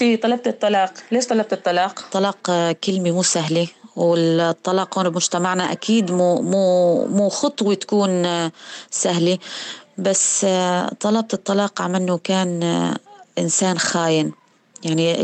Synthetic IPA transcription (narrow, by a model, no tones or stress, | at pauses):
it̪ˤɑlɑb̚t̪ɨt̪ˤːɑlɑːqleːʃt̪ˤɑlɑb̚t̪ɨt̪ˤːɑlɑːq̪ˤːɑlɑːqkɪlmimuːsaɦliwɪt̪ˤːɑlɑːqhoːnɪbmʊʒt̪amaʕnaʔakiːd̪muːmuːmuːxʊt̪ˤwit̪ḁkuːn | saɦlibasːt̪ˤːɑlɑb̚t̪ɨt̪ˤːɑlɑːqʕamanːukaːn | ʔɪnsaːnxaːjɪn | jaʕni